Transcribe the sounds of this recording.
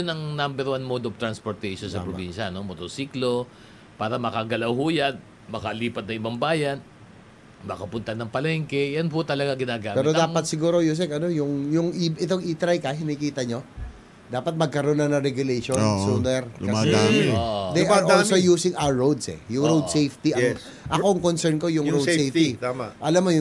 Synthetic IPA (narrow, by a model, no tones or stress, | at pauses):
onɐŋnambɛɾwanmod̪oft̪ɾɐnspoɾt̪ɛjʃonsɐpɾobinʃɐno̞mot̪oɾsiːklo̞ | paːɾɐmɐkaɡɐlɐwhujɐn | mɐkɐliːpɐt̪̚nɐŋʔɪbɐŋbaːjɐn | mɐkɐpʊnt̪ɐnɐŋpɐlɛŋkɛjanpʊt̪ɐlɐɡaɡɪnaːɡaːmɛːɪɾod̪aːpɐt̪sɪɡuːɾojus̬ɛkɐno̞jʊŋjʊŋiʔɪt̪oŋʔit̪ɾɐjkɐhɪnikiːt̪ɐɲo̞ | d̪aːpɐt̪̚mɐɡ̚kɐɾonɐnɐɾɛɡjʊlejʃonsuːnɛɾɐmsɛ | d̪ejʔɐɹʔoːlsojuːsɪŋʔawɹowd̪sɛ̰jʊŋɾowd̪sejft̪iʔ | ʔɐkoɐŋkonsɛɹnko̞jʊŋɾowsejfit̪aːmaʔʔɐlɐmojʊ